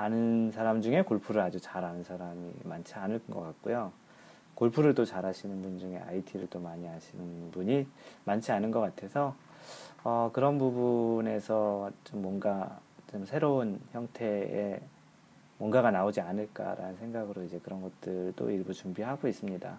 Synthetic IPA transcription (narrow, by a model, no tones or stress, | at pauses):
anɯnsʰaɾamd͡ʑuŋe̞koɭpʰuɾɯɾad͡ʑut͡ɕaɾɦanɯnsʰaɾamḭmant͡ɕʰianɯɭŋɡʌ̰k͈ak̚k͈ojo | koɭpʰuɾɯɭt͈ot͡ɕaɾɦaɕʰinɯnbund͡ʑuŋe̞̰ʔa̰itʰiɾɯɭt͈omaɲiɦaɕʰinɯnbuɲimant͡ɕʰianɯnɡʌk͈atʰe̞sʰʌ | ʌkɯɾʌnpubune̞sʰʌt͡ɕ͈omːwʌnɡat͡ɕomsʰe̞ɾounçjʌŋtʰe̞ḛ | mwʌnɡaɣanaod͡ʑianɯɭk͈a̰ɾa̰nɯnsʰe̞ŋɡaɡɯɾoid͡ʑe̞kɯɾʌnɡʌt̚t͈ɯɭt͈o̰iɭbut͡ɕumbiɦaɡois͈ɯmɲida̰